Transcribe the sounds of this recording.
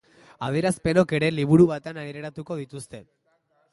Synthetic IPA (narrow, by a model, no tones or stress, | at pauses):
aðjie̞ɾaspe̞no̞ke̞ɾeliβ̞uɾuβat̪eanaɾeɾat̪uko̞ð̞it̪ust̪e̞